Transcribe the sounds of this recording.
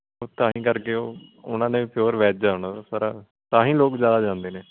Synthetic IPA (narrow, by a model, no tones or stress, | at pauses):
oːt̪ãːɦĩːkəɾkeːoːʊnãːnẽːpʰɪjoːɾʋɛːt͡ʃd͡ʒaːʊnaːasaɾaː | t̪ãːɦĩːloːkzjaːd̪aːd͡ʒãːnd̪eːneː